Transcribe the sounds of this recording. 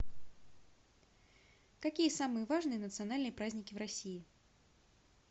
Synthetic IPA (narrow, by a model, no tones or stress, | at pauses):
kɐkʲijəsamɨjəvaʐnɨjənət̪sɨanalʲnɨjəpɾazʲnʲɪkʲɪvɾɐsʲijɪ